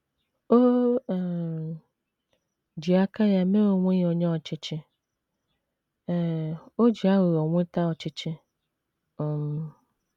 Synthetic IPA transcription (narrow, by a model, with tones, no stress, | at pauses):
o˦˨ | d͡ʒi˨a˦ka˦ja˦me˦o˨ŋʷe˦o˨ɲe˦ɔ˨t͡ʃɪ˦t͡ʃɪ˦˨ | o˦d͡ʒi˨a˦ɣe˨ɔ˨ŋʷe˦ta˦ɔ˨t͡ʃɪ˦t͡ʃɪ˦˨